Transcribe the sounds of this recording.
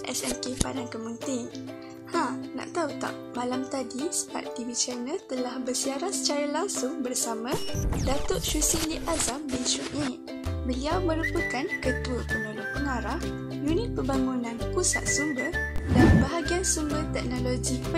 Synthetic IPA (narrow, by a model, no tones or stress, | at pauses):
ʔɛ̰sɛnkepa̰nankəmənt̪ɪŋ | hãnã̰ʔt̪aut̪a̰ʔmãlamt̪adisə̥pa̰t̪̚t̪iwit͡ʃɛnəlt̪əlahbərsiaɾansə̥t͡ʃaɾalaŋsʊŋbərsamãdat̪oʔ̚ʃusiliʔazambinʃuʔ̚ɲãʔ | bəliawmə̃ɾupəkankət̪uəpənõlopəŋaɾah | junit̪̚pəbaŋunãnkusa̰ʔ̪̚sumbədanbaɦaɡiansumbət̪ɛk̚nõloɡip